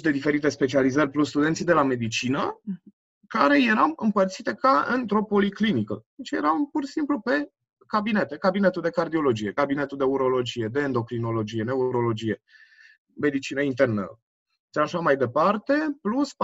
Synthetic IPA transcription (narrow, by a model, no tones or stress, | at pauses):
d̪e̞d̪ife̞ɾit̪e̞spe̞t͡ʃializərʲplusst̪ud̪et̪sid̪e̞lame̞d̪it͡ʃinə | kaɾe̞je̞ɾawɨmpərt̪sit̪e̞kaɨnt̪ɾo̞po̞liklinikəd̪et͡ʃje̞̰ɾampursimplupe̞ | kabine̞t̪e̞kabine̞t̪uld̪e̞kard̪io̞lo̞d͡ʒije̞kabine̞t̪uld̪euɾo̞lo̞d͡ʒije̞d̪e̞ːnd̪o̞kɾino̞lo̞d͡ʒije̞ne̞uɾo̞lo̞d͡ʒije̞ | me̞d̪it͡ʃinəint̪e̞rnə̰ | ʃaʃamajd̪e̞part̪e̞plusp